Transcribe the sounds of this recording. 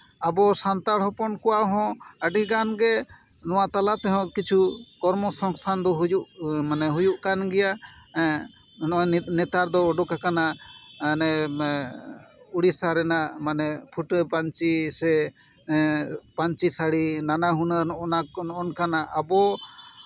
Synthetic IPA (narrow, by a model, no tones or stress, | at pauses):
abɔsant̪aɽhɔpɔnkɔwaʔɦɔ̃əɖiɡanɡɛ | nɔwat̪alat̪ɛɦɔ̃kit͡ʃʰukɔɾmɔsɔŋst̪ʰand̪ɔɦujuʔmanɛɦujuʔkanɡɛja | nɛt̪aɾd̪ɔːɖɔkakanaʔnɛ | uɽisaɾɛnaʔmanɛpʰuʈpaɲt͡ʃisɛ | paɲt͡ʃisaɽinanaɦunənanɔʔɔnkanaʔabɔ